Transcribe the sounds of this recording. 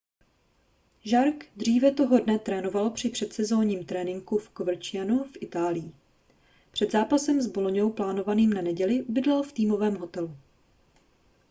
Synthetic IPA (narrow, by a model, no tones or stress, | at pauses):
ʒaɾkd̪r̝iːvɛt̪o̞ɦo̞dnɛt̪ɾɛːno̞valpr̝̥ɪpr̝̥ɛt̪sɛzo̞ːɲiːmt̪ɾɛːnɪŋkufkov̩t͡ʃɪjanufʔɪt̪aːlɪji | pr̝̥ɛd̪zaːpasɛmzbolo̞ɲo̞wplaːno̞vaniːmnanɛɟɛlɪʔubɪdlalft̪iːmo̞vɛːmɦo̞t̪ɛlu